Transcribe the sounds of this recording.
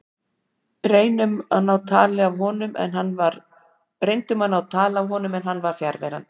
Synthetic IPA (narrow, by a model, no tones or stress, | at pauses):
reːjnʏmanːawt̪ʰaːlɪavɦɔnʏmʔɛ̰nɦanvaɾ | rejnt̪ʏmanːawt̪ʰaːlavɦɔːnʏmɛnɦanːvaɾ̥fjaɾvɛ̰ɾa̰nt̪